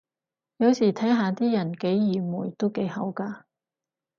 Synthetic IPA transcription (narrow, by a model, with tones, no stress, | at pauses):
jɐ˨˧wsiː˨˩t̪ʰɐː˨˥ŋɦaː˨˧t̪iː˥jɐ˨˩nke˨˥jjiː˨˩muː˨˩jt̪o˥wke˨˥jhɐ̰˨˥wkaː˧